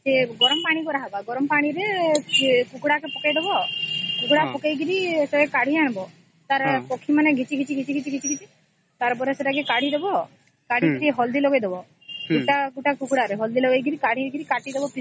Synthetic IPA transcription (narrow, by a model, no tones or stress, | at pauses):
seɡɔɾɔmpaɽ̃ikɔɾaɦabaɡɔɾɔmpaɽ̃iɾe | kukuɽakepɔkejd̪ebɔkukuɽapɔkajɡiɾiseekaɽ̤ʱiañbɔ | t̪aɾpɔkʰːimaneɡʱit͡ʃiɡit͡ʃiɡit͡ʃiɡit͡ʃiɡit͡ʃʰiɡit͡ʃi | t̪aɾp̬ɔɾeseʈak̬ekaɽ̤ʱid̪ebɔ | kaɽ̤iɡiɾiɦɔld̪iloɡejd̪ebɔ | uʈakuʈakukuɽaɾeɦɔld̪ilɔɡejɡiɾikaɽ̤ʱiɾɡiɾikaʈid̪ebɔpi